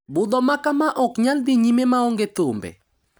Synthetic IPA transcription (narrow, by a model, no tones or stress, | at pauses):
bʊd̪ɔmakamaʔɔkɲald̪iɲimemaɔŋɡet̪ʊmbɛ̰